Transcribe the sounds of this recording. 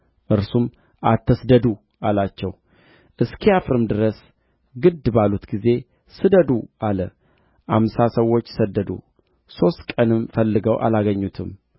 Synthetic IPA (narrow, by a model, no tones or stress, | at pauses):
ʔɨɾsum | ʔat̪ʰːəsd̪əd̪u | ʔalat͡ʃːɛw | ʔɨskʰiafɾɨmd̪ɨɾəs | ɡɨd̪balut̪ɡize̞ | sɨd̪əd̪uʔalə | ʔamsasəwːo̞t͡ʃːsəd̪ːəd̪ṵ | so̞st̪kʼənɨmfəlːɨɡəwʔa̰laɡəɲːut̪ʰɨm